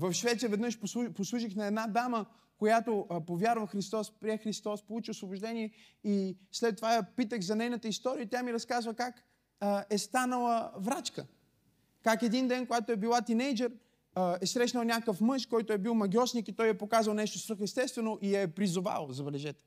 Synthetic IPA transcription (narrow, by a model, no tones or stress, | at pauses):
vɐfʃvɛt̪sijəvɛd̪nəʃpouposlˠuʃ̬ixnɐɛd̪nad̪amə | kojat̪opovʲjaɾvəxɾist̪ɔspɾiɛxɾist̪ɔspolˠut͡ʃiosvoboʒd̪ɛniɛ | islɛt̪ːovajɐpit̪əɣzɐnɛjnət̪əist̪ɔɾiət̪jamiɾɐskazvəkak | ɛst̪anəlˠəvɾat͡ʃkə | kakɛd̪ind̪ɛnkoɡat̪oɛbilˠat̪inɛjd͡ʒɛɾ | ɛsɾɛʃnəlˠnʲakəfmɤʃkɔjt̪ʊɛbilˠmɐɡʲɔsnikit̪ɔjɛpokazvɐlˠnɛʃt̪osɾɤxɛst̪ɛst̪vɛnoʔijaɛpɾizʊva̰lˠzɐbɛlɛʒɛt̪ɛ̥